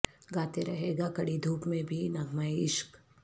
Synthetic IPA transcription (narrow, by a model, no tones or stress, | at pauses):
ɡaːt̪eɾɐɦeːɡakɐɽid̪ʱuːpmẽbʱinɐɡʱmaeɪʃk